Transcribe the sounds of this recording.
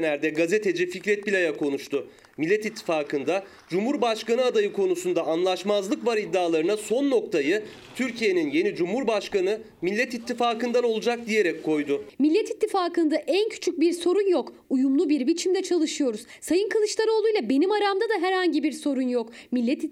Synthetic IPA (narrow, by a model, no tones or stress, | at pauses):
næɾd̪ɛɡazet̪ʰe̞d͡ʒificɾɛt̪̚bilʲajakʰo̞nuʃt̪ʰʊ | milʲːɛt̪it̪ʰːi̥faːkʰɯnd̪a | d͡ʒumhuɾbaʃkanɯad̪ajɯkʰo̞nusund̪aanlˠaʃmazlˠɯkvaɾid̪ːaːlˠaɾɯnaso̞nːo̞k̚t̪ʰajɯ | t̪ʰyɾcʰije̞ninje̞nid͡ʒumhuɾbaʃkanɯ | milʲːɛt̪it̪ʰːifaːkɯnd̪ano̞lˠud͡ʒak̚d̪ije̞ɾɛc̚kʰːo̞jd̪ʊmilʲːɛt̪it̪ʰːifaːkɯnd̪aʔæncʰy̥t͡ʃʰyc̚biɾso̞ɾunjokujumlˠubiɾbit͡ʃʰimd̪ɛt͡ʃʰalˠɯʃɯjo̞ɾuz̥sajɯnkʰalˠɯʃlˠaɾɯo̞lˠujlˠabe̞nimaɾamd̪ad̪aɦɛɾhaɲɟibiɾso̞ɾunjok | milʲːɛt̪i